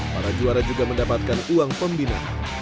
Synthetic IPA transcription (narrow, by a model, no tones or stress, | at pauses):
paɾad͡ʒuaɾad͡ʒuɡaməndapat̪̚kanuaŋpəmbina̰